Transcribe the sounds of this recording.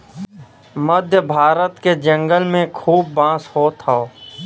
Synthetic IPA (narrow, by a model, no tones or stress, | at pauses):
məd̪ʱjəbʱaːɾət̪ked͡ʒə̃ŋɡəlmẽkʰuːb̚ːãːshoːt̪ʰaoː